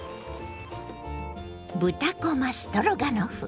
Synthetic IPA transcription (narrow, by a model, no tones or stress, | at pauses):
but̪akɔmast̪ɔɾɔɡanɔhu